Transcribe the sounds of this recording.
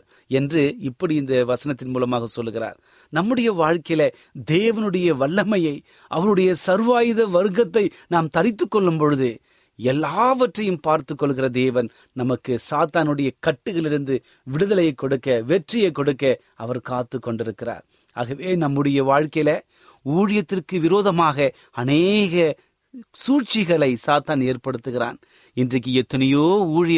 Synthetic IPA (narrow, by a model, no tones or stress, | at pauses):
ɛndrɯɪpːɐɽiɪnd̪ɐʋɐsɐnɐt̪ːɪnmuːlɐmaːɣɐsɔlːɯɣɪɾa̰ːɾ | nɐmːɯɽɐjɐʋaːɻkɐjlɐ | d̪eːʋɐnɯɽɐjɐʋɐɭːɐmɐjɐɪ | ʔɐʋɐɾɯɽɐjɐsɐɾʋaːjɪðɐʋɐɾɯɣɐt̪ːɐɪ | naːmt̪ɐɾɪt̪ːɯkːɔɭːɯmpɔɻɯðɯ | ɛlːaːʋɐʈrɐjɯmpaːɾt̪ɯkːɔɭːɯɣɪrɐd̪eːʋɐn | nɐmɐkːɯsaːt̪aːnɯɽɐjɐkɐʈːɯɣɐɭɪɾɯnd̪ɯ | ʋɪɽɯðɐlɐjɐɪkːɔɽɯkːɐʋɛʈrɪjɐɪkːɔɽɯkːɐ | ɐʋɐɾkaːt̪ːɯkːɔɳɖɪɾɯkːɪra̰ːɾ | a̰ːɣɐʋeːnɐmːɯɽɐjɐʋaːɻkɐjlɐ | uːɻɪjɐt̪ːɪrkɯʋɪɾoːðɐmaːɣɐ | ɐneːɣɐ | suːt͡ʃɪɣɐɭɐɪsaːt̪aːneːrpɐɽɯt̪ːɯɣɪɾa̰ːn | ɪndrɐk̬ːɯɛt̪ːɐnɪjoːuːɻɪj